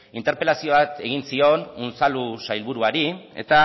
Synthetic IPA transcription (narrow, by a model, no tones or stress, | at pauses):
int̪e̞ɾpe̞lasio̞βat̪e̞ɣ̞insio̞nunsalusajlβuɾuaɾie̞̰t̪a